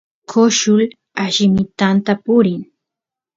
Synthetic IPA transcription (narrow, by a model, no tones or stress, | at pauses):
kʰoʃʊl | aʃɪmɪt̪ant̪apʊɾɪŋ